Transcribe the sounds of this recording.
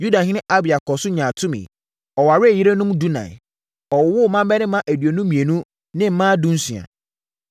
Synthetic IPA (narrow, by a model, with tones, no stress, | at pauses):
ju˦da˨ɦĩ˦nɪ̃˦ʔa˦bɪ˨a˨kʰɔ˨sʊ˦ɲã˨tʰʊ̃˦mɪ̰̃˨ | ɔ˨wa˨ɾɪ˦˨ji˦ɾe˦nʊ̃˦m˦du˦nã̰˨ | ɔ˨wwʊ˦˨mã˦m˦bɛ˦nɪ̃˦mã˦ʔæ˨dɥe˨nũ˦mĩ˨e˨nũ˦ | nɪ̃˦m̩˨˦mã˦dũ˦n̩˦su˨a̰˨